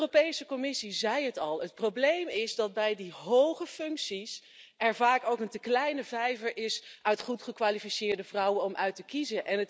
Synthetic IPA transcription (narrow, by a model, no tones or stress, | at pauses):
ropejsəkɔmɪsizɛjɦətɑlˠət̚prowblejmɪzdɑd̚bɛjdiɦowχəfɵŋksis | ɛɹvaːkowkəntəklɛjnəvɛjvəɹʔɪsʔœɥtχutχəkʋaːlifisɪːɹdəvrʌwənɔmʔœɥtəkizənʔɛnət